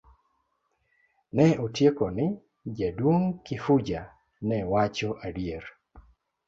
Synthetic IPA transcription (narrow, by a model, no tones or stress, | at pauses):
nɛotjekonɪ | d͡ʒadwoŋkɪfud͡ʒa | nɛwat͡ʃoʔadier